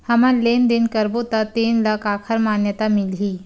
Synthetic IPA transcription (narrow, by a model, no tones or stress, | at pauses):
həmalend̪enkəɾbot̪ət̪enləkakʰəɾmanjət̪amilɦiː